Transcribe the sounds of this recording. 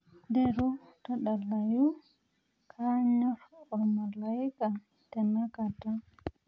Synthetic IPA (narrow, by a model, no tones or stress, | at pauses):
dɛɾutɔɗalːaju | kʰaɲɔfɔmalaika | tɛnakata